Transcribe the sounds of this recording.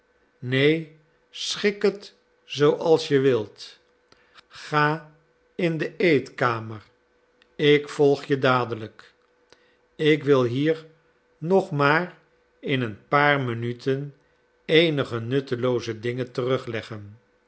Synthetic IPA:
nej | sχɪkət | z̥owʔɑlˠsjəʋɪlˠt | χaː | ɪndəejtkaːməɹ | ɪkfɔlˠχjədaːdələk | ɪkʋɪlˠɦiːɹ | nɔχmaːr | ɪnənpaːɹmənytʰən | ejnəχənɵtəlowzədɪŋəntərɵχlɛχən

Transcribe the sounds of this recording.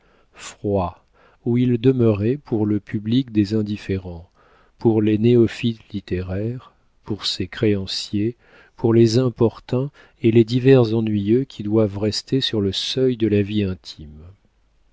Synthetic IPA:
fχwa | uild̪əməʁɛpʰuʁləpyblikd̪ezɛ̃d̪ifeʁɑ̃ | puʁleneɔfit̪lit̪eʁɛʁ | puʁsekχeɑ̃sje | pʰuʁlezɛ̃pɔʁt̪ɛ̃ | eled̪ivɛʁzɑ̃nɥijøkʲʰid̪wavʁɛst̪esyʁləsœjd̪əlaviɛ̃t̪ʰim

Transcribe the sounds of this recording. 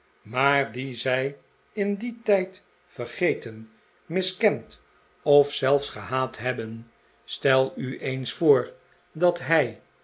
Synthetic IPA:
maːɹdizɛj | ɪnditɛjt | fəɹχejtən | mɪskɛnt | ɔfsɛlˠfsχəɦaːtɦɛbən | stɛlˠyʔejnsfoːɹ | dɑtɦɛj

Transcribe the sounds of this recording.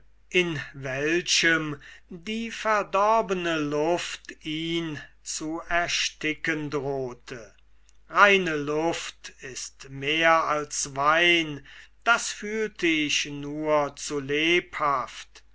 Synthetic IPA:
ʔɪnvɛlʃəmdiːfɛæɐdɔɐbənəlʊftiːn | t͡suɛɐʃtɪkəndʁoːtʰə | ʁaɪnəlʊftɪstmeːɐalsvaɪnd̥asfyːltəɪɕnuːɐt͡suleːphaft

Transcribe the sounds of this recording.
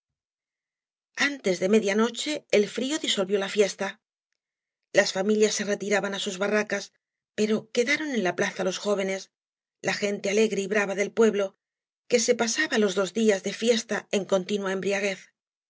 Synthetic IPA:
ant̪e̞zðe̞me̞ðjano̞t͡ʃe̞ːlfɾio̞ðiso̞lβjo̞lafje̞st̪a | lasfamiljasːe̞re̞t̪iɾaβanasuzβarakas | pe̞ɾo̞ke̞ðaɾo̞ne̞nlaplaθalo̞sxo̞β̞e̞ne̞s | laxe̞nt̪eale̞ɣɾe̞iβɾaβaðe̞lpwe̞βlo̞ | ke̞se̞pasaβalo̞zðo̞zdiazðe̞fje̞st̪ae̞ŋko̞nt̪inwae̞mbɾiaɣ̞e̞θ

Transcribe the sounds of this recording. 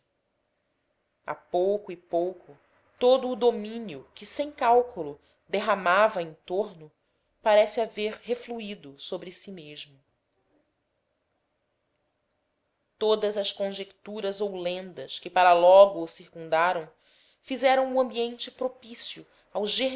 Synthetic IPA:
a̰powkʊɪpowkʰʊ | t̪od̪ʊːd̪omĩnjʊkɪsẽj̃kawkulʊ | d̪eɦamavɐẽnt̪oɾnʊ | paɾɛsɪaveɾhefluid̪ʊsobɾɪsimeʒmʊ | t̪od̪ɐzɐskõʒekt̪uɾɐzowlẽnd̪ɐʃkɪpaɾɐlɔɡʊːsiɾkũnd̪aɾɐ̃w̃ | fizɛɾɐ̃w̃uɐ̃mbiẽnt͡ʃɪpɾopisjʊ | awʒe

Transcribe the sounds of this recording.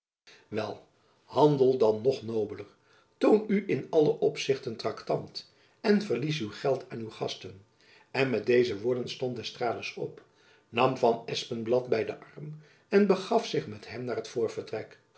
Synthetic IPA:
ʋɛlˠ | hɑndəlˠdɑnːɔχnowbələɹ | townyʔɪnɑləʔɔpsɪχtəntrɑktɑnt | ɛnvəɹlis̬ywχɛlˠtʰaːnywχɑstən | ɛnmɛt̚dejzəʋʊːɹdənstɔnt̚dɛstraːləsɔ̰p | nɑmvɑnɛspənblɑtbɛjdə̰ʔɑrm | ɛnbəχɑfsɪχmɛtɦɛmnaːrɦətfʊːɹvəɹtrɛk

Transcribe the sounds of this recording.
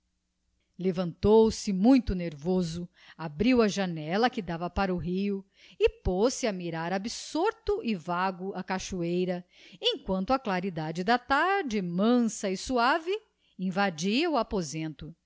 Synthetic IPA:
levɐ̃nt̪owsɪmũj̃t̪ʊneɾvozʊ | abɾiwɐʒanɛlɐkɪd̪avɐpaɾuɦiʊ | ɪposɪamiɾaɾabisoɾt̪ʊʔɪvaɡʊɐkaʃuejɾɐ | ẽj̃kwɐ̃nt̪ʊɐklaɾid̪ad͡ʒɪd̪ɐt̪aɾd͡ʒɪmɐ̃sɐɪsuavɪ | ĩvad͡ʒiɐuapozẽnt̪ʊ

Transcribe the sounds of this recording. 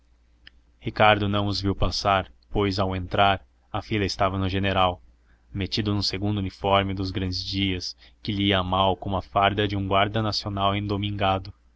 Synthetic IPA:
hikaɾd̪ʊnɐ̃w̃ʊzviwpasaɾpojzawẽnt̪ɾaɾ | ɐfilɐɪst̪avɐnʊʒeneɾaw | met͡ʃid̪ʊnʊ̃seɡũnd̪ʊunifɔɾmɪd̪ʊzɡɾɐ̃nd͡ʒɪzd͡ʒiɐskɪʎiiɐmawkõmɐfaɾd̪ɐd͡ʒɪũɡwaɾd̪ɐnasionawẽd̪omĩŋɡad̪ʊ

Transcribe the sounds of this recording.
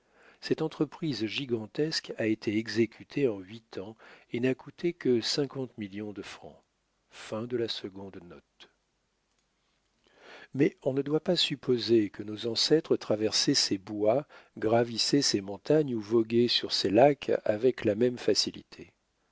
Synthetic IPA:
sɛt̪ɑ̃t̪χəpχizʒiɡɑ̃t̪ɛskaet̪ʰeɛɡzekʲʰyt̪ʰeɑ̃ɥit̪ʰɑ̃enakut̪ʰekəsɛ̃kɑ̃t̪miljɔ̃d̪əfχɑ̰̃ | fɛ̃d̪əlasəɡɔ̃d̪nɔt̪ | mɛɔ̃nəd̪wapasypʰozekənozɑ̃sɛt̪χət̪χavɛʁsɛsebwaɡʁavisɛsemɔ̃t̪aɲuvɔɡʲesyʁselakʰa̰vɛklamɛmfasilḭt̪ʰe

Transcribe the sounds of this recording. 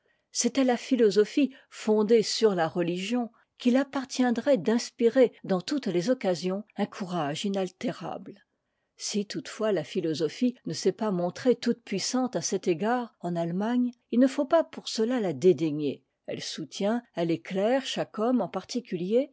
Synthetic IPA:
sɛt̪ɛlafilɔzɔfi | fɔ̃d̪esyʁlaʁəliʒjɔ̃ | kʲilapaʁt̪jɛ̃d̪ʁɛd̪ɛ̃spiʁed̪ɑ̃t̪ut̪lezɔkazjɔ̃ɛ̃kʰuʁaʒinalt̪eʁa̰bl | sit̪ut̪fwalafilɔzɔfinəsɛpamɔ̃t̪χet̪ut̪pɥisɑ̃t̪asɛt̪eɡaʁɑ̃nalmaɲilnəfopapuʁsəlalad̪ed̪eɲe | ɛ̰lsut̪jɛ̃aleklɛʁʃakɔmɑ̃paʁt̪ikʲylje

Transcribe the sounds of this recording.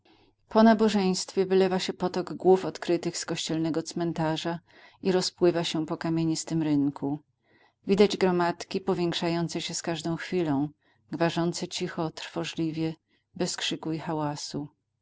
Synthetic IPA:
pɔnabɔʐɛj̃st̪fʲjɛvɘlɛvaɕɛpɔt̪ɔɡɡwufɔt̪kɾɘt̪ɘxskɔɕt͡ɕɛlnɛɡɔt̪smɛnt̪aʐa | iɾɔspwɘvaɕɛpɔkamʲjeɲist̪ɘmɾɘŋkʰu | vʲid̪ad͡ʑɡɾɔmat̪kʲipɔvʲjɛŋkʂajɔnt̪sɛɕɛskaʐd̪ɔ̃w̃xfʲilɔ̃w̃ | ɡvaʐɔnt̪sɛt͡ɕixɔt̪ɾfɔʐlʲivʲjɛ | bɛskʂɘkuixawasu

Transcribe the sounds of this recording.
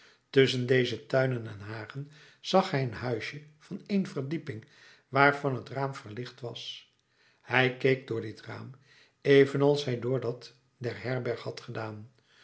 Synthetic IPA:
tɵsəndejzətœɥnənɛnɦaːχən | z̥ɑχɦɛjənɦœɥʃəv̥ɑnejnvərdipɪŋ | ʋaːɹvɑnɦətraːmvəɹlɪχtʋɑs | hɛjkejk̚dʊːɹdɪtra̰ːm | ejvənɑlˠsɦɛjdʊːɹdɑt | dɛɹɦɛɹbɛɹχhɑtχədaːn

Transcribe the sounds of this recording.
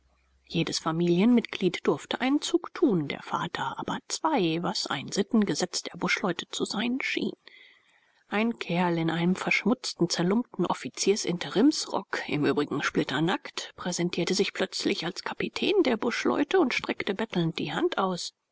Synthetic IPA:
jeːdəsfamiːljənmɪtɡ̥liːtd̥ʊɐftəʔaɪnnt͡suːktʰuːndḛːɐfa̰ːtʰɐʔaːbɐt͡sv̥aɪvasʔa̰ɪnz̥ɪtn̩ɡəzɛt͡sd̥eːɐbʊʃlɔʏtə̥t͡suzaɪnʃḭːn | ʔaɪnkʰɛɐlɪnʔaɪnəmfɛɐʃmʊt͡stn̩t͡sɛɐlʊmp̚tn̩ʔɔ̰fit͡siːɐsɪ̰ntəʁɪmsʁɔ̰kɪ̰mʔyːbʁɪɡŋ̩ʃplɪtɐnaktpʁ̥ɛzɛntʰiːɐtəzɪçpʰl̥œt͡slɪçalskʰapitʰɛ̰ːndeːɐbʊʃlɔ̰ʏtʰəʊntʃtʁ̥ɛktəbɛtl̩nt̚d̥ḭːhantʔaʊs

